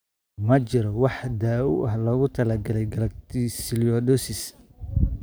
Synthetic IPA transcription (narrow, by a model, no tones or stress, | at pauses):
mɐt͡ʃɪɾɔwɑħd̪aːʊʔɐɦlɔːɣʊt̪ʰɐlɐɡɐlɛjɡɐlɐkt̪ʰisɪlijɔdɔsɪs